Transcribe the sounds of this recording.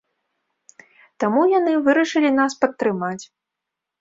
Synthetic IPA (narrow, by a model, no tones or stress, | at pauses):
t̪amujanɨvɨɾɐʂɨlʲin̪aspɐt̪ːɾɨmat͡sʲ